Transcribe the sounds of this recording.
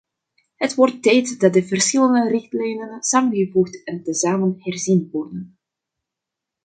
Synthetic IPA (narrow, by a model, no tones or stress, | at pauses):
ɦətʋɔrtːɛjtdɑt̚dəvərsxɪləndərɪxtlɛjnənsaːmənɣəvuχtɛntəzaːmənɦɛrzinʋɔrdən